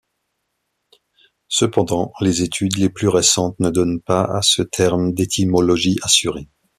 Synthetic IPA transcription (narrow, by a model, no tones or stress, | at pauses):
səpɑ̃d̪ɑ̃lezet̪ʰyd̪leplyʁesɑ̃t̪nəd̪ɔnpaa̰sət̪ʰɛʁmd̪et̪ʰimɔlɔʒiʔasyʁe